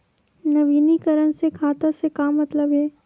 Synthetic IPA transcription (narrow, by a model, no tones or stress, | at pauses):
nɐʋiːnikɐɾənsekʰaːt̪asekaːmːɐt̪ləbɦɛː